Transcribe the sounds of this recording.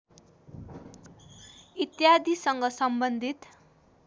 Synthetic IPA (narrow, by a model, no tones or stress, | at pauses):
it̪jad̪isʌŋɡʌsʌmbʌnd̪ʱit̪